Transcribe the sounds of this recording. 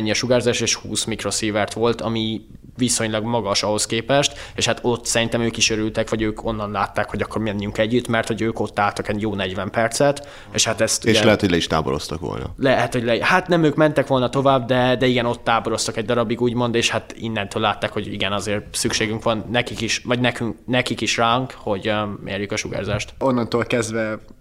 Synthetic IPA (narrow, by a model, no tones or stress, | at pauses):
ɲːiɒʃuɡaːrzaːʃeːʃhṵːsmikro̞siːvɛrt̪ʋo̞lt̪ɒmi | viso̞ɲlɒɡmɒɡɒʃɒho̞skeːpɛʃt̪eːʃhat̪o̞t̪ːsɛɾint̪ɛmøːkiʃøɾylt̪ɛkʋɒɟøːkʰo̞nːɒnlaːt̪ːaːkho̞ɟɒkːo̞rmɛɲːyŋkɛɟːyt̪mɛrt̪ho̞ɟøːko̞t̪ːaːlt̪ɒkɛɟjoːnɛɟʋɛmpɛrt̪sɛt̪ | ḛʃhat̪ɛst̪eʃlɛɦɛt̪hoɟlɛiʃt̪a̰ːbo̰ɾo̰st̪ɒkʋo̰lnɒ̰lɛhɛt̪hoɟʲlɛhat̪nɛmøːkmɛnt̪ɛkʋo̞lnɒt̪o̞vaːbd̪ɛd̪ɛiɡɛno̞t̪ːaːboɾo̞st̪ɒkɛɟd̪ɒɾɒbiɡuːɟmo̞nd̪eːʃhat̪ḭnːɛnt̪øːlːaːt̪ːaːkho̞ɟḭɡɛnɒzeːrsykʃeːɡyŋkʋɒnːɛkikiʃʋɒɟnɛkyŋknɛkikiʃraŋkho̞ɟmʔḛːɾjykɒʃuɡa̰ːrzaːʃt̪o̞nːɒnt̪oːlkɛzd̪vɛ